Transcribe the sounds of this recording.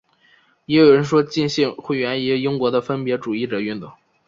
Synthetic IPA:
jɛ˧˥jo˨˩ʊɻə˧˥nʂwɔ˥t͡ɕi˥˧nɕi˥˧ŋxwe˥˩ɪɥɛ˧˥ni˧˥˧i˥ŋkwɔ˧˥d̪ə˧fə˥npjɛ˧˥ʈ͡ʂu˨˩i˥˩ʈ͡ʂɤ˨˩y˥˩nt̪ʊ˥˩˦ŋ

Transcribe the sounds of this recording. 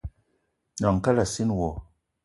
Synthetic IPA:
na˨ŋ˨ka˦la˨si˦nwo˨

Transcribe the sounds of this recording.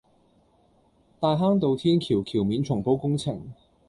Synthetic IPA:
t̪aː˨jɦaː˥ŋt̪o˨˧wt̪ʰiː˥nkʰiː˨˩wkʰiː˨˩wmiː˨˥nt͡sʰʊ˨˩ŋpo˨˥wkʊ˥ŋt͡sʰɪ˨˩ŋ

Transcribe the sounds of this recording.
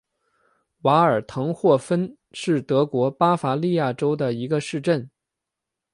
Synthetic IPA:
wa˧˥ə˞˨˩t̪ʰɤ˧˥ŋxwɔ˥˩fə˥n | ʂɻ̩˥˩t̪ɤ˧˥kwɔ˧˥pa˥fa˧˥li˥˧ja˥˩ʈ͡ʂo˥ʊd̪ə˨i˧˥ɡə˧ʂɻ̩˥˧ʈ͡ʂə˥˩n

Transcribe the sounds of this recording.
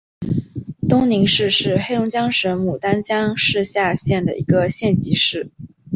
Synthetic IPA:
t̪ʊ˥ŋni˧˥ŋʂɻ̩˥˧ʂɻ̩˥˧xe˥lʊ˧˥ŋt͡ɕjɑ˥ŋʂə˧˥nmu˨˩t̪a˥nt͡ɕjɑ˥ŋʂɻ̩˥˧ɕja˥˧ɕjɛ˥˩nd̪ə̰˩ʔḭ˧˥ɡə˧ɕjɛ˥˩nt͡ɕi˧˥ʂɻ̩˥˩

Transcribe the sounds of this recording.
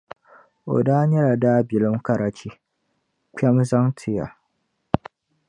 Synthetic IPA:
ʔo̰˨daː˦ɲɛ˦ɾa˨daː˦bɪ˨lɪ˦mka˨ɾa˨t͡ʃi˦ | k͡pʲɛ˦mza˦ŋtʰɪ˨ja̰˨

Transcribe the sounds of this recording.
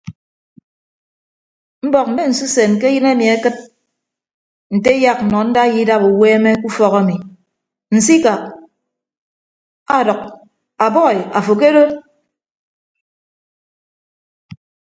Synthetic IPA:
m̩˦bɔ˦˨k̚n̩˨e˦n̩˨su˦se˨nke˦jɨ˦na˦mi˨a˦kɨ˦t̚ | n̩˨te˦ja˦k̩̚˨nɔ˨n̩˦da˦ji˦da˦bu˨weː˦me˦ku˦fɔ˦ka˦mi˨ | n̩˨si˦ka˨ | a˦dɔ˨k̚ | a˨bɔ˦˨a˨fo˨ke˦do˦

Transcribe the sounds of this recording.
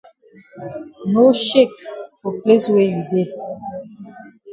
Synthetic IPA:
no˦ʃe˦˨kfɔ˨ple˦swe˨ju˨de˦˨

